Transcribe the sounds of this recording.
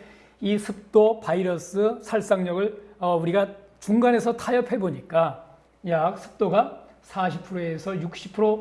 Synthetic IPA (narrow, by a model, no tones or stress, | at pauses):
isʰɯp̚t͈opaiɾʌs͈ɯsʰaɭs͈aŋɲʌɡɯɭʌuɾiɡa | t͡ɕuŋɡane̞sʰʌtʰajʌpʰe̞boɲik͈a | jak̚sʰɯ̥p̚t͈oɡa | sʰaɕʰipʰɯɾoesʰʌjuk̚ɕ͈ʰi̥pʰɯɾo